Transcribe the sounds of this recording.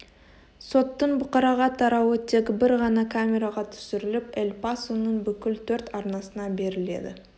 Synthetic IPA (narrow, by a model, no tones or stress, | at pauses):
so̞t̪ːəɴbʊqɑɾɑʁɑt̪ʰɑɾɑwət̪ʰe̞kʲɪbɪɾʁɑnɑkʰamʲe̞ɾɑʁɑt̪ʰʏ̥sɪɾɪlɪpelpasunəɴbʏkʲɪlt̪ʰɵɾt̪ɑɾnɑsənɑbe̞ɾɪle̞̰d̪ɪ̰